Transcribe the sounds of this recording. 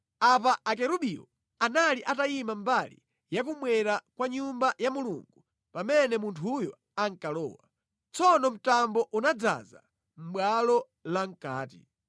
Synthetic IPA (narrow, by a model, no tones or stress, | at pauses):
ap̬aʔːk̬ɛɾuɓiɔ̰ | analiʔatajimambalḭ | jak̬umwɛɾakwaɲumbajamuluŋɡu | pamɛnɛmuntʰujɔ̰ | aŋkalɔ̰ːwa̰ | t͡sɔnɔm̩tambɔʔunad͡za̰za̰ | m̩ɓwalɔ | laŋ̩ka̰ːt̬ḭ